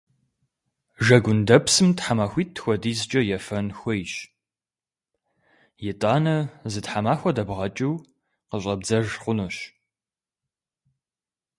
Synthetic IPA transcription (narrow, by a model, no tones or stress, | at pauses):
ʒɐɡʷʊndɐpsɨmtħamaːxʷiːt̚ːxʷɔdiːzɨt͡ʃʼɐjɛfɐnxʷɔjʃ | jɛtʼaːnɐzɨtħamaːxʷɐdɐbʁɐt͡ʃʼiw | qəɕʷʼɐb̚d͡zɐʒχʷʊnoɕ